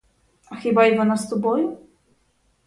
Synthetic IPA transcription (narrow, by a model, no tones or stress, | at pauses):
axʲibaiɡɔnast̪ubɔju